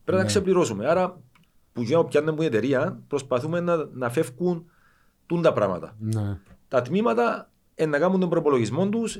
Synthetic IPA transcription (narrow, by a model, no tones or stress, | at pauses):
pɾenɐksepliɾo̞sumeɐɾɐ | puʝiopcɐnːembuniet̪eɾiɐnpɾo̞spɐθume̞nːɐnːɐfe̞fkun | t̪und̪ɐpɾɐ̰mɐ̰t̪ɐ̰nt̪ɐt̪mimɐt̪ɐ | enːɐkɐmːund̪o̞mbɾoipolo̞ʝizmo̞nd̪us